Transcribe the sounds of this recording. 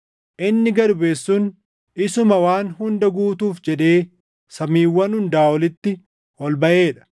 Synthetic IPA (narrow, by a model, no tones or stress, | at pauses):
ʔɪnːɪɡɐɾʊbe̞ːsːuːn | ɪsʊmɐwaːnhʊnd̪ɐɡuːt̪uːfd͡ʒɛᶑe̞ː | sɐmiːwːɐnhʊnd̪aːwɔlɪt̪ːɪ | wɔlbɐʔe̞ːᶑɐ̥